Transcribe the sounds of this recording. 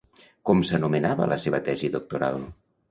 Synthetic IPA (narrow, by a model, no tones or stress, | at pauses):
kɔmsənumenaβə̰lʔəseβət̪ɛziðuk̚t̪uɾa̰lˠ